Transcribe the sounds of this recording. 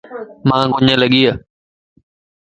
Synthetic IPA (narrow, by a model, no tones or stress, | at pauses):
mãːɡʊɲələɠiːə